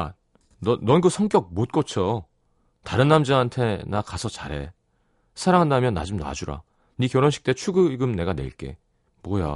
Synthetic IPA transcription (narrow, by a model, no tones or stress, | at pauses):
a̰ | nʌnʌnɡɯsʰʌŋk͈jʌk̚mot̚k͈ʌt͡ɕʰo | taɾɯnːamd͡ʑaantʰe̞nakasʰʌt͡ɕaɾe̞̰ | sʰaɾaŋɦandamjʌnːa̰d͡ʑumna̰d͡ʑuɾa̰ | nikjʌɾʌnɕʰi̥k̚t͈e̞t͡ɕʰuɡɯɡɯmne̞ɡaneiɭk͈e̞̰ | mwʌja̰